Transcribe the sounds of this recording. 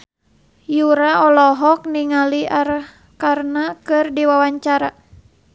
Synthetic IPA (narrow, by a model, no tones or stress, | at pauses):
juɾaɔlɔɦɔk̚niŋaliaɾəh | karnakɨrdiwawaɲt͡ʃaɾa